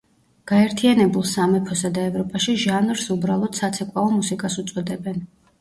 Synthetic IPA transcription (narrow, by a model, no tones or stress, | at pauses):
ɡ̥aɛɾt̪ʰianɛbulˠsamɛpʰɔsad̪aɛvɾɔpʼaʃiʒanɾsubɾalˠɔd̪̥sat̪sʰɛkʼwaɔmusikʼasut̪sʼɔd̪ɛbɛn